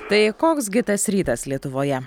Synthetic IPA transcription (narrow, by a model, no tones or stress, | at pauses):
t̪ɐɪkoːksɡʲɪt̪ɐsɾʲiːt̪ɐslʲiɛt̪ʊʋoːjɛ